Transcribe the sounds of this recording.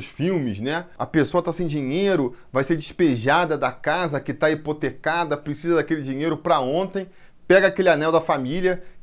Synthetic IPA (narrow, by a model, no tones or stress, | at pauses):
ʃfiwmɪznɛɐ̰pesoɐt̪asẽj̃d͡ʒiɲejɾʊvajseɾd͡ʒɪʃpeʒad̪ɐd̪ɐkazɐkɪt̪aipot̪ekad̪ɐpɾesizɐd̪akelɪd͡ʒĩɲejɾʊpɾɐõnt̪ẽj̃ | pɛɡɐaːkelɪanɛwd̪ɐfamiljɐ